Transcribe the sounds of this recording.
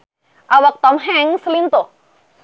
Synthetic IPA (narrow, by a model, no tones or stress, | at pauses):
ʔawak̚t̪ɔmɦɛŋsəlint̪o